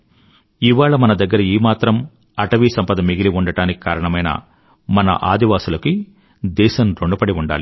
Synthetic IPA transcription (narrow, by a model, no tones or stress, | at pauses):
iʋaːɭɐmɐnɐd̪ɐɡːɐɾɐiːmaːt̪ɾɐm | ɐʈɐʋiːsɐmpɐd̪ɐmiɡiliuɳɖɐʈaːniki̥kaːɾɐɳɐmɐjnɐ̰ | mɐnɐ̰ʔaːd̪iʋaːsulɐki | d̪ɛːʃɐnɾoɳɖɐpɐɽiuɳɖa̰ːli